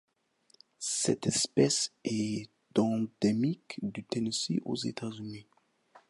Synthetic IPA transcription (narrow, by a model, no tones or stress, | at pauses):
sɛ̰t̪ɛspɛsɛ | t̪ɑ̃d̪emikd̪yt̪enisḭʔo̰zḛt̪ʰazyni